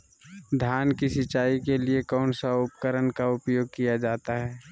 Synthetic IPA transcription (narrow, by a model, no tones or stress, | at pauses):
d̪ʱjaːnkisɪt͡ʃaːikeliekɔːnsaʊpkəɾənkaʊpjoːɡ̚kijad͡ʒaːt̪aɦɛː